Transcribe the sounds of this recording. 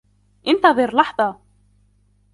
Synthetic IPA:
ɪnt̪avɛɾlaht̪a

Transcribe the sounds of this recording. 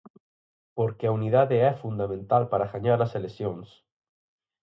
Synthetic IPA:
poɾkeauniðaðeɛfund̪amẽnt̪alpaɾaxaɲaɾlaselesjons

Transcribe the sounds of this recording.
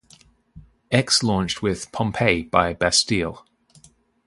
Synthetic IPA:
ɛkslɔ̃ːˑnt͡ʃtʰwɪð̥pʰɒ̃mpʰeɪb̥aɪbastiːlˠ

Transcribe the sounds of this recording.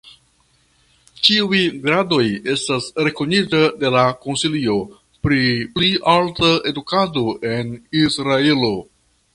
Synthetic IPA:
t͡ʃiujɡɾado̞je̞stasɾe̞ko̞nitade̞lako̞nsilio̞ | pɾipliʔaltae̞dukado̞ʔe̞nisɾae̞lo̞

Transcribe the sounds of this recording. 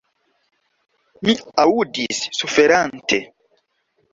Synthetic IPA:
miaudisːufeɾantʰe

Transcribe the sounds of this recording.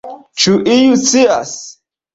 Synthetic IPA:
t͡ʃuʔijusias

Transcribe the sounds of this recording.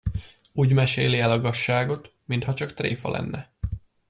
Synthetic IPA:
uːɟmɛʃeːliɛlɒɡɒʃːaːɡot̪mint̪hɒt͡ʃɒkt̪rḛːfɒ̰lʔɛ̰nːɛ

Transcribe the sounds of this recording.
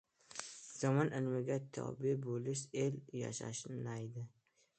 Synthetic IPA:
z̥ɒmɒnɪlmɪɡʲat̪ʰɒ̰bɪbolɪʃ̬elja̰ʃa̰ʃɪnnajd̪ɪ

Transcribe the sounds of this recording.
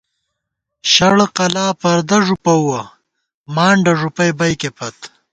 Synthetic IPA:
ɕɐɽqɐlaːpɐɾd̪ɐʐupɐwɐ | maːɳɖɐʐupɐjbɐjkepʰɐt̪

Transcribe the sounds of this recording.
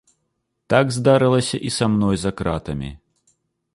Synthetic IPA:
t̪aɡzd̪aɾɨlˠɐsʲɐʔisamnɔjzɐkɾat̪ɐmʲḭ

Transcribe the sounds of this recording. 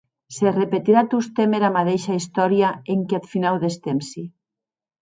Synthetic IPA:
serepet̪iɾat̪ust̪emeɾamaðeʃaist̪ɔɾjaeŋkeat̪finawðest̪emsi

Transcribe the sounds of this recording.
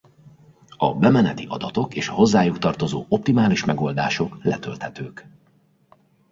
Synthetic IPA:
ɒ̰bɛmɛnɛt̪iʔɒ̰d̪ɒt̪okeːʃɒɦo̞zːaːjukt̪ɒrt̪o̞zoːo̞p̚t̪imaːliʃmɛɡo̞ld̪a̰ːʃo̞klɛt̪ø̰lt̪hɛt̪øːk

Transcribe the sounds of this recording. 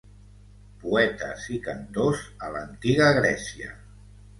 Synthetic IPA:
puɛt̪ə̰zikənt̪ozələnt̪iɣəɣɾɛsiə̰

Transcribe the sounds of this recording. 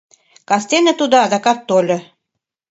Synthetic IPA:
kɑst̪enə̆t̪ud̪oɑd̪ɑkɑt̪ːolʲŏ

